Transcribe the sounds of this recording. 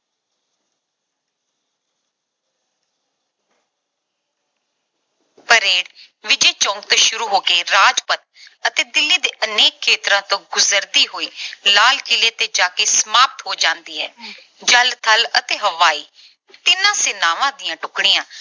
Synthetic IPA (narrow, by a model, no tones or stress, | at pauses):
pəɾeːɽ | ʋɪd͡ʒeːt͡ʃɔ̃ːŋkt̪õːʃʊɾuːɦoːkeːɾaːd͡ʒpət̪̚ət̪eːd̪ɪlːiːd̪eːʔəneːkʰːeːt̪ɾãːt̪õːɡʊzəɾd̪iːɦoːiːlaːlkɪleːt̪eːd͡ʒaːkeːsəmaːp̚t̪ɦoːd͡ʒãːnd̪iːɦɛ̰ː | d͡ʒəlt̪ʰələt̪eːɦəʋaːiː | t̪ɪnãːseːnaːʋãːd̪ɪjãːʈʊkɽijãː